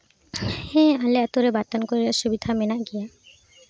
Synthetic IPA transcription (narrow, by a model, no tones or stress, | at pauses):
hɛ̃alɛat̪ʊɹɛbatankoɹilasubid̪ʱamɛnaʔɡija